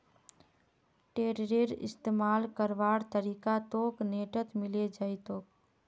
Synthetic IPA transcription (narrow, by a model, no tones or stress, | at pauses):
ʈeːɾɾeɾɪ̰st̪eːmaːlkəɾʋaːɽt̪əɾiːkat̪oːkneːʈət̪mɪled͡ʒait̪oːk̚